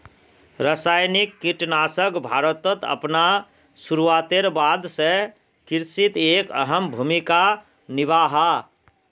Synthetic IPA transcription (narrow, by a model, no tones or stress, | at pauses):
ɾəsaːjnikːiʈnaːsəkbʱaːɾət̪ət̪ə̰pna | suɾuaːt̪eɾbaːd̪se | kɪɾsit̪eːkə̰ɦəmbʱumika | nɪʋaːɦa